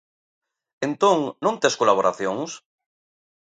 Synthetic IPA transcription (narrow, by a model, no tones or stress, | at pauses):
ẽnt̪õŋnõnt̪eskolaβ̞oɾaθjoŋs